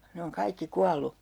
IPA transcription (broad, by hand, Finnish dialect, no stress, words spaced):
ne oŋ kɑikːi kuɑlˑu